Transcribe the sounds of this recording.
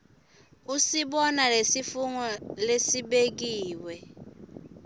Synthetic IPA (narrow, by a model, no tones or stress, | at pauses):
usiɓɔnalesifuŋɔlesiɓeɡ̬iːwɛ